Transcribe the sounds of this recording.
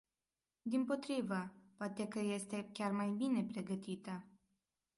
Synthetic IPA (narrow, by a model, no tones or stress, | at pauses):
d̪impo̞t̪ɾivəpoat̪e̞kəje̞st̪e̞kʲarmajbine̞pɾe̞ɡət̪it̪ə